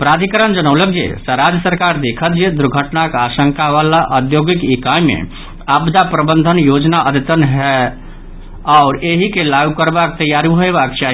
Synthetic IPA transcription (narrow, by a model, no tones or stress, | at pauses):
pɾad̪ʱikəɾənd͡ʒənəʊlək̚d͡ʒḛsəɾad͡ʒjəsəɾkaɾd̪ekʰət̪d͡ʒed̪uɾɡʱəʈnakasəŋkaʋalaʔəd̪joɡikikajmḛ | abd̪apɾəbənd̪ʱənjod͡ʒnaʔəd̪et̪ənɦɛ | aʊɾeɦikelaɡukəɾbakt̪əjaɾiɦoebakt͡ʃaɦi